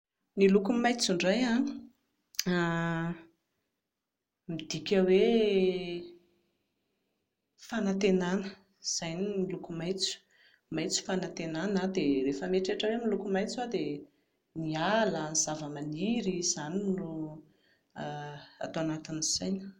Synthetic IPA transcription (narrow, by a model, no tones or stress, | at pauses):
nilukumajt͡suɳɖ͡ʐaja | a | mid̪ikʲəwe | fanat̪enanə | z̥ajninilukumajt͡su̥ | majt͡su̥fanat̪enanad̪erefəmeʈ͡ʂeʈ͡ʂəwemilukumajt͡sad̪e | nialənizavəmaniɾiz̥aniro | a̰t̪oanat̪inz̥ajn